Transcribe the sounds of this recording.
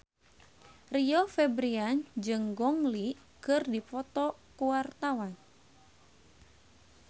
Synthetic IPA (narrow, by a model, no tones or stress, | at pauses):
riɔfɛbɾiand͡ʒɨŋɡɔŋli | kɨrdipɔt̪ɔkuwart̪awan